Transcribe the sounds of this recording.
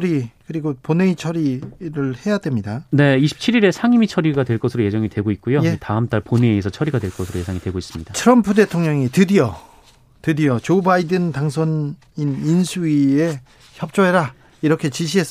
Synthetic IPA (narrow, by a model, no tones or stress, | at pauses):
ɾikɯɾiɡoponeit͡ɕʰʌɾiɾɯɭhe̞jadwe̞mɲidane̞iɕʰi̥p̚t͡ɕʰiɾiɾe̞sʰaŋimit͡ɕʰʌɾiɡadwe̞ɭk͈ʌsʰɯɾoje̞d͡ʑʌŋidweɡoit̚k͈ujoeitaɯmt͈aɭponieesʰʌt͡ɕʰʌɾiɡadwe̞ɭk͈ʌsʰɯɾoje̞sʰaŋidwe̞ɡois͈ɯmɲid̥atʰɯɾʌmpʰude̞tʰoŋɲʌŋitɯdijʌ | tɯdijʌt͡ɕobaidɯntaŋsʰwʌn | ininsʰuie | çjʌp̚t͡ɕ͈oeɾa | iɾʌkʰe̞t͡ɕiɕ̬ʰiɦe̞s͈